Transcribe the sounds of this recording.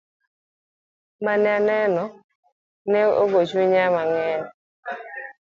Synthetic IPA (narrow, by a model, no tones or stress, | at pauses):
manɛanɛnɔ | nɛo̰ɡot͡ʃwiɲamaŋɛn